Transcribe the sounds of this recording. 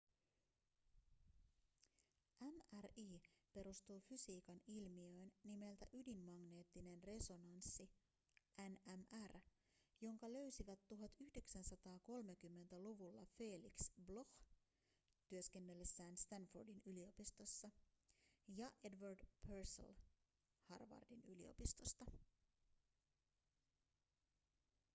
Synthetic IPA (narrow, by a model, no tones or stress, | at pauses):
ʔæmæriːpe̞ɾust̪uːfysiːkɑnilmiø̞jnːime̞lt̪æʔydimːɑɡne̞ːt̪ːine̞nre̞so̞nɑnsːi | ʔænæmær | jo̞ŋkɑlø̞ɥsiʋæt̪ːuɦɑt̪yhde̞ksænsɑt̪ɑːko̞lme̞kymːe̞nt̪æluʋulːɑfe̞ːliksblo̞x | t̪yøsk̟e̞nːe̞lːesːæːnst̪ænfordinylio̞pist̪o̞sːɑ | jɑʔe̞dʋɑrdpʰersl | hɑ̰rʋɑ̰rdinylḭo̞̰pist̪o̞st̪ɑ